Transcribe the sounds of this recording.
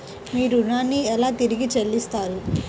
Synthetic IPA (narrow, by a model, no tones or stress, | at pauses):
miːɾunaːnːiɛlaːt̪iɾiɡit͡ʃelːist̪aːɾu